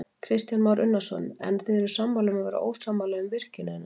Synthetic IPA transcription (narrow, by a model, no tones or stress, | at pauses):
kʰɾɪst̪janmaːwɾʔʏnːasɔ̰nɛ̰nθeðɛɾʏ̥sampawlʏmaðvɛːɾa̰ʔo̰wst̪sampalaʏmvɪr̥cʏnʏɛnːa